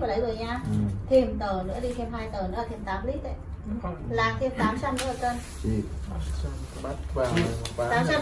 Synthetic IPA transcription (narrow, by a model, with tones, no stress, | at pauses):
vaː˨˩ɗə˨˦jzɨ˨˩əjɲaː˧t̪ʰi˨˩əmt̪əː˧˩nɨ̰˧˥əɗi˧t̪ʰɛ˧mɦaː˧jt̪əː˧˩nɨ̰˧˦˥laː˨˩t̪ʰmt̪aː˨˦mli˦˥t̚ʔə̰˧˨j | laː˨˩k̚t̪ʰe˧mt̪aː˨˦msa˧mnɨ̰˧˥əː˨˩kə˧n˧˦˧ | t̪aː˨˦msa˧